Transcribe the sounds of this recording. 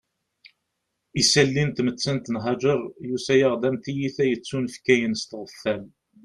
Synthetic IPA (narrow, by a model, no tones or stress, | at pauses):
isælːint̪mət͡sːænt̪nɦɑd͡ʒəɾˤjusæjaʁd̪æmθijiθæjət͡sːunəfkæjənst̪ʁəfːæl